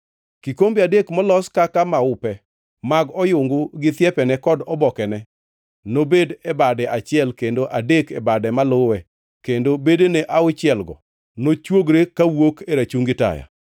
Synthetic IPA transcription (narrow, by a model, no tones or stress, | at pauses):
kikombiadekmɔlɔskakamaʊpɛ | maɡɔjʊŋɡʊɡɪt̪jɛpɛnɛkɔdɔbɔkɛnɛ | nobedebadɛʔat͡ʃɪɛlkendoʔadekebadɛmalʊwɛ | kendobedeneʔaʊt͡ʃɪɛlɡɔ̰ | not͡ʃwoɡɾekawokeɾat͡ʃuŋɡɪta̰ja̰